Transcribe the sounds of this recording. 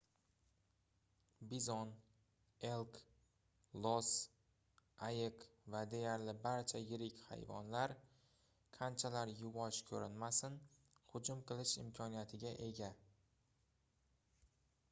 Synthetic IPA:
bizɒn | e̞lˠk | lˠɒs | ajɪqvad̪e̞jaɾlɪbaɾt͡ʃʰajɪɾɪkʲha̰jvɒ̰nlaɾ | qʰant͡ʃʰalaɾjʊvɒʃkʲʰɵɾɪnmasɪn | hʊd͡ʒʊmqʰɨlˠɪʃɪ̰mkʲʰɒnijat̪ʰɪɡʲaʔe̞ɡʲa

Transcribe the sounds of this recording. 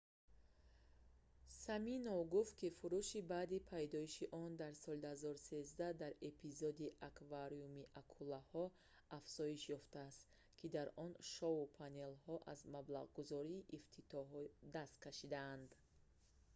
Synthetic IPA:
saminɔvɡuft̪̚kʰifuɾuʃibaːd̪ipʰajd̪ɔiʃiʔɔnd̪aɾsɔlid̪hazɔɾuse̞zd̪ad̪aɾepʰizɔd̪iʔakvaɾiumiʔakʰulahɔ | afz̥ɔiʃjɔft̪aːst̪ | kʰid̪aɾɔnʃɔupʰane̞lhɔʔazmablaʁɡuzɔɾiːʔːft̪ʰit̪ʰɔɦɔd̪ast̪̚kʰaʃid̪aːnd̪

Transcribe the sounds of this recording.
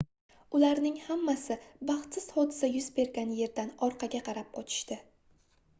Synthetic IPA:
ʊlaɾnɪŋhamːasɪbɑχt̪sɪz̥hɒd̪ɪsajʊzbe̞ɾɡʲanje̞ɾd̪anɒɾqʰɑɡʲaqʰɑɾap̚qɒt͡ʃʰɪ̥ʃt̪ɪ

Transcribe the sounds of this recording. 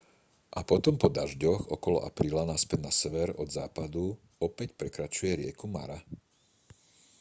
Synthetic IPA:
ʔapɔt̪ɔmpɔd̪aʒɟɔɣɔkɔlɔ̰ʔa̰pɾiːlanaspɛd̪nasɛʋɛɾɔd̪za̰ːpad̪u | ɔpɛcpɾɛkɾat͡ʃujɛɾɪɛkuma̰ɾa

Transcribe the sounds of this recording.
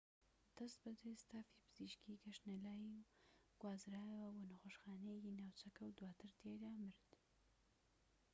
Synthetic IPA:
d̪̥ɐst̪̚bɨd̪est̪aːfipɨz̥iʃkiɡɐʃnelaːjiwɡ̥waːzɾaːjɐwɐboːnɐxoːʃxaːnejekinawt͡ʃɐkɐwd̪waːt̪ʰɨɾt̪ʰed̪aːmɨɾd̪

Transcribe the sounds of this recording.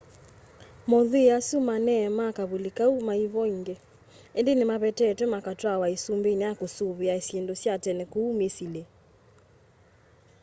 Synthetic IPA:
mɔðeasumanɛmakaβulikaumaiβɔiŋɡe | endenemaβɛtɛːtwɛmakatwawaesumbenɛakosuβeaesjendosjatɛnɛkuːmesilɛ

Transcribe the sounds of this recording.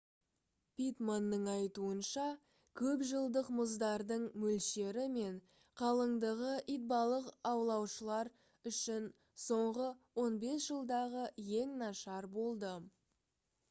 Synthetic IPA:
pʲit̪manːəɴɑjt̪uənʃɑ | kʲʰɵpʒəlˠd̪əqməzd̪ɑɾd̪əɴmɵlʃe̞ɾɪme̞ɴ | qʰɑlˠəɴd̪əʁəʔijt̪̚bɑlˠəqɑwlˠɑwʃəlˠɑɾ | ʏʃɪn | so̞ɴʁəwo̞nbe̞sʒ̥əlˠd̪ɑʁəje̞ŋnɑʃɑɾbo̞lˠd̪ə

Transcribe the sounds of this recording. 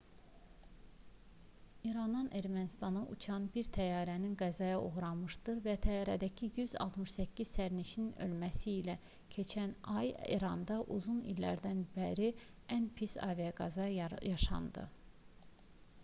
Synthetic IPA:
iɾɑnɑnʔe̞ɾmænist̪ɑnɑʔṵt͡ʃʰɑnbiɾt̪ʰæjɑːɾæninɡæzɑjɑo̞̰ɣɾɑmɯʃd̪ɯɾvæt̪ʰæjɑːɾæd̪æcʰijyzɑ̰lˠt̪ʰmɯʃsæcːiz̥sæɾniʃininø̞̰lmæsiːlæ | cʰe̞t͡ʃʰænɑjḭɾɑnd̪ɑʔuzunḭlːæ̰ɾd̪ænbæɾi | ænpʰisɑ̰ːvijɑɡɑzɑjɑʃɑ̰nd̪ɯ̰

